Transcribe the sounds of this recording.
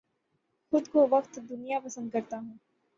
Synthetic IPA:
xʊd̪koʋɐqt̪d̪ʊnijapɐsə̃nd̪̚kɐɾt̪aɦũː

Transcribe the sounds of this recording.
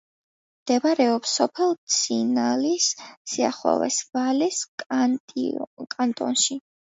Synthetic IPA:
md̪̥ɛvaɾɛɔpsɔpʰɛlˠt̪sʰinalisːia̰χwɛ̰vɛ̰svalɛs | kʼant̪ʼɔ̰nʃi

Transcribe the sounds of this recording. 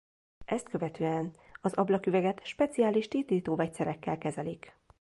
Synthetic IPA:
ʔɛst̪̚kø̞vɛt̪øːɛn | ɒzɒblɒkyvɛɡɛt̪ʃpɛt̪sijaːliʃt̪iːt̪iːt̪oːvɛct̪sɛɾɛkːɛlkɛzɛlik

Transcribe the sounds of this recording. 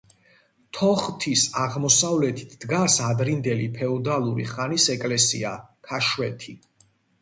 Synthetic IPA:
t̪ʰɔχt̪ʰisaʁmɔsavlɛt̪ʰi̥t̪ʰd̪̥ɡasad̪ɾind̪ɛlipʰɛɔd̪alˠuɾḭχanisɛkʼlɛsḭa̰kʰaʃwɛt̪ʰi

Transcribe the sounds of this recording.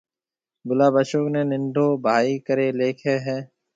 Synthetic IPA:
bʊlaːbəʃoːkneːnɪnɖ̪ʱoːbʱaːikəɾeːleːkʰeːɦɛ̃ː

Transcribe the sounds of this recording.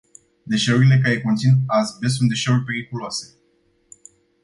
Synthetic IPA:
d̪e̞ʃe̞uɾile̞kajeko̞nt̪sinazbe̞s̬und̪e̞ʃe̞urʲpe̞ɾikuloase̞̥

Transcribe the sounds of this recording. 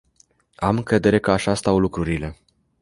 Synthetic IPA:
amɨŋkɾe̞d̪e̞ɾe̞kəaʃast̪awlukɾuɾile̞

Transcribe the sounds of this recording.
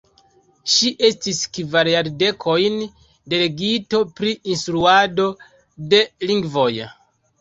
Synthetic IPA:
ʃiʔe̞stiskvaɾjaɾde̞kʰo̞jn | de̞le̞ɡito̞pɾiinstɾuado̞ | de̞liŋɡvo̞j

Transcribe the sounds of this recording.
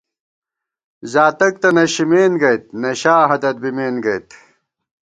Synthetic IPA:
zaːt̪ɐk̚t̪ɐnɐɕimeːnɡɐjt̪̚nɐɕaːɦɐd̪ɐt̪̚bimeːnɡɐjt̪

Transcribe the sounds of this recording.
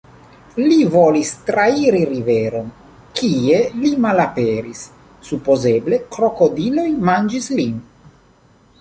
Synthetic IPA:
livolist̪ɾaiɾiɾiveɾo̞n | kie̞limalapeɾisː | upo̞ze̞ble̞kɾo̞ko̞dilo̞jmand͡ʒislin

